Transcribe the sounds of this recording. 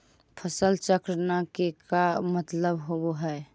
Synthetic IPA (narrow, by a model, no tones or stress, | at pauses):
pʰəsəlt͡ʃəkɾənakekamət̪ləbɦoboɦɛ